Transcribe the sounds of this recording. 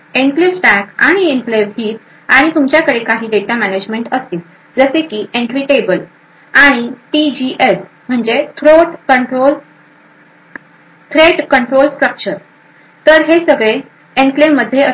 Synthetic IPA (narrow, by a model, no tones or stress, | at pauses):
enflesʈækaɽ̃ienfleʋɦiːt̪ | aɽ̃it̪umt͡ɕjakəɽekaɦiːɖeʈamæned͡ʑmeɳʈəst̪iːt̪ | d͡zəsekiːʔeɳʈʋiʈebəl | aɽ̃iʈid͡ʑiʔes | m̤əɳd͡ʑet̪ʰɾoʈkəɳʈɾol | t̪ʰɾeʈkəɳʈɾolsʈɾəp̚t͡ɕəɾ | t̪əɾɦesəɡɭe | enflemmːəd̪ʱjeə